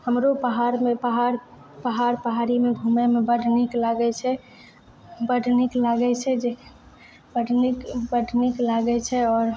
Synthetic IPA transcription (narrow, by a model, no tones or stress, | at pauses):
həmɾopəɦaɾmepəɦaɾ | pəɦaɾpəɦaɾimebʱumɛmebəɖʱniklaɡɛt͡ʃʰɛ | bəɖʱniklaɡɛt͡ʃʰɛd͡ʒe | bəɖnikbəɖʱniklaɡɛt͡ʃʰɛɔːɾ